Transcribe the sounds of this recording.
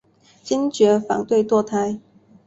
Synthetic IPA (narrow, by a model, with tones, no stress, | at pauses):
t͡ɕi˥ŋt͡ɕɥɛ˧˥fɑ̰˨˥ŋt̪we˥˧ɪt̪wɔ˥˧t̪ʰa˥ɪ